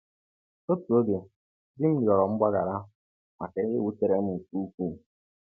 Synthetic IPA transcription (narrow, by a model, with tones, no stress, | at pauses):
o˦tu˨o˦de˨ | dɪ˦m̩˦di˨ɔ˨ɾɔ˨m̩˦ɡ͡ba˦ɡa̰˨ɾa˦ | ma̰˨ke˦ɪ˦wu˦te˦ɾe˦m̩˦u˨ku˦u˦k̚u˦˨